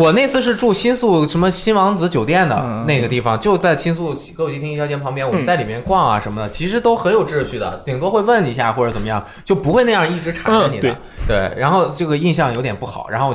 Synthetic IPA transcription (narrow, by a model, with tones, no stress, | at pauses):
wɔ˨˩ne˥˧ɪsʰɹ̩˥˧ʂ̬ɻ̩˥˧ʈ͡ʂu˥˩ɕi˥nsu˥˩ʂə˧˥nmə˧ɕi˥nwɑ˧˥ŋt͡sɹ̩˧˥t͡ɕjo˨˩ʊt̪jɛ˥˩nd̪ə̰˩ne˥˩ɪɡə˩t̪i˥˩fɑ˩ŋt͡ɕjo˥˧ʊt͡sa˥˩ɪt͡ɕʰi˥nsu˥˩˥kɤ˧˥wt͡ɕʰi˥t̪ʰi˥˩jt͡ɕjpʰɑ˧˥ŋp̬jɛ˥nwɔ˨˩ə˦nt͡sa˥˩ɪli˨˩mjɛ˥˧nkwɑ˥˩ŋɐ̰˩ʂə˧˥nmə˧d̪ə˩t͡ɕʰi˧˥ʂɻ̩˧˥t̪o˥ʊxə˧˥njo˨˩ʊʈ͡ʂɻ̩˥˧ɕy˥˩d̪ə̰˩t̪ʰi˨˩ŋt̪wɔ˥xwe˥˧ɪwə˥˩ni˧˥ɕja˥˩xwɔ˥˩ʈ͡ʂə˧˥t͡sə˨˩mə˦jɑ˥˩ŋ | t͡ɕjo˥˩ʊpu˧˥xwe˥˧ɪna˥˧jɑ˥˧ŋi˥˩ʈ͡ʂɻ̩˧˥ʈ͡ʂʰa˨˩n˧ɛ˥ni˨˩ə̰˧˦ | t̪we˥˩ɪɻa˧˥nxo˥˧ʊʈ͡ʂɤ˥˩ɡə˩i˥˧nɕ̬jɑ˥˩ŋjo˧˥t̪jɛ˨˩npu˥˩xɑ̰˨˩˦ɻa̰˧˥x